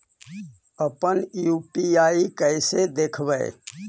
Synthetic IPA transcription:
əpənjupiaːikəɪsed̪ekʰbə̰ɪ̰

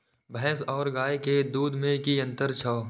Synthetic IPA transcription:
bʱəɦɛsɔːɾɡaːeked̪uːd̪ʱmẽkiə̃nt̪əɾt͡ʃʰɔː

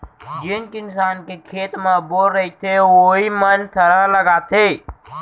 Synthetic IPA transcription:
d͡ʒinkinsankekʰet̪mebolɾəit̪ʰeoɦimənt̪ʰəɾaləɡat̪e

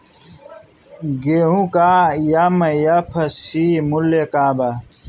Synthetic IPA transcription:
ɡeɦũkaːjamɐjɐpʰɐsimulːekaːbɐ

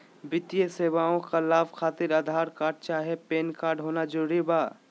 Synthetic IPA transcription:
bɪt̪ijeseːwaːõkalaːbkʰaːt̪ɪɾəd̪ʱaːɾkaːɾɖ̚t͡ʃaːɦiepeːnkaːɾɖɦoːnad͡ʒəɾuːɾibaː

